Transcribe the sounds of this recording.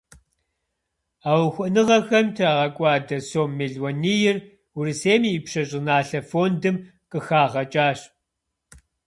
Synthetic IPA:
aːwxʷɐnɨʁɐxɐmtʰɨraːʁɐkʷʼɑːdɐsoːmːeɮwɔnijɪr | ʊrɨseːmiːpʂɐɕʼɪnaːɬɐfoːndɨm | qʼɨxaːʁɐt͡ʃʼaːɕ

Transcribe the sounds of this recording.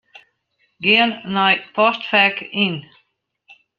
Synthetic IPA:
ɡennajpʰɔst̪fɛkɪn

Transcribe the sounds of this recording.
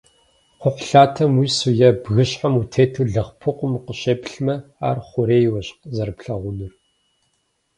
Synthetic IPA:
qʷʊχʷʊɬaːtʰɐmwiːsujɛbɣɨɕħamutʰeːtʰuːɮɐχpʰɨqʷʊmqəɕeːpʼɬmɐa̰ːrχʷʊɾeːjwɐɕqzɐrpɬɐʁʷʊnɨr

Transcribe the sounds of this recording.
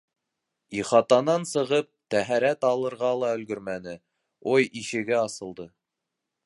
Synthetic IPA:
iχɑt̪ɑnɑnsɤ̆ʁɤp̚t̪æɦæɾæt̪ɑlˠɤ̆ɾʁɑlˠɑɵ̆lɡɵɾmænɘ | ojiʃɘ̆ɡɘɑsɤ̆lˠd̪ɤ

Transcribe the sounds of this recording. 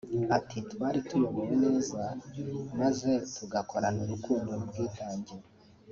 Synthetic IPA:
atitβaːɾitʰumuβuβine̞ːzamaze̞tʰuɡakʰo̞ɾanuɾukuːndoubɡiːtaːɲɟiɾa

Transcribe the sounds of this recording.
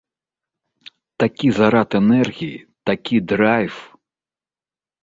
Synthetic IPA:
t̪akʲizaɾat̪ɛnɛrɣʲiit̪akʲid̪ɾajf

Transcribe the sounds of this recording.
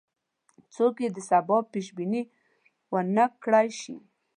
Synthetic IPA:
t͡sokjed̪əsabɑpiʃbini | wənakːɽajʃḭ

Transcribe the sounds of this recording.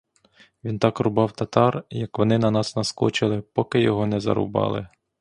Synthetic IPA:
ʋʲint̪ɑkrʊbɑwt̪ɐt̪ɑrjɐkʋɔnɪnɐnɑsnɐskɔt͡ʃɪlˠɪpɔkɪjɔɦɔnɛzɐ̰ɾʊ̰bɑ̰lˠɪ̰

